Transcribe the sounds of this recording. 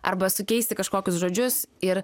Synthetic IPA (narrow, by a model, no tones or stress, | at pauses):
ɐ̰ɾbɐsʊkʲɛɪsʲt̪ʲɪkɐʃkoːkʲʊsʒoːd͡ʒʲʊsɪɾ